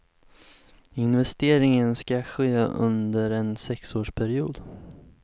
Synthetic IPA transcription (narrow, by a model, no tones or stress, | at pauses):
ɪnvɛst̪eːɾɪŋənskaɧḛːɵ̰nd̪əɾɛnsɛksoːʂpʰæɾɪuːd̪